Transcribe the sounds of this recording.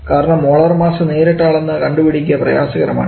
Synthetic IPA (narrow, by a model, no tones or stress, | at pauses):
kaːɾɐɳɐmoːɭɐrmaːsɐne̞ːɾeʈːaːɭenːɨkɐɳɖubɐɽik̬ʲːɐprɐjaːsɐɣɐɾɐma̰ːɳɨ